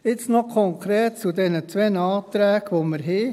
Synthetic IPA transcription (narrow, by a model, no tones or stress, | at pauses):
ɪt͡snɔkʰɔŋkʰɾɛːt̚t͡sudɛnət͡sʋɛnɑːt̪ɾɛːɡʋoməɾɦeː